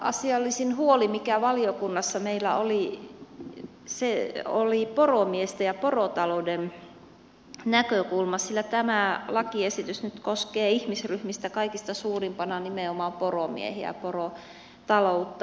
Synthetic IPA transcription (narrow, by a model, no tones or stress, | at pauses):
ʔɑ̰siɑlːisinhuolimikæʋɑliokunːɑsːɑmeilːˑæ̰oli | seo̰liporomiest̪æjɑporot̪ɑlouden | nækøkulmɑssilːæt̪æmælɑkiesit̪ysnyt̪koskeːihmisryhmist̪ækɑikist̪ɑsuːrimpɑnɑnimeomɑːmporomḭḛhiæ̰poro | t̪ɑlout̪ːɑ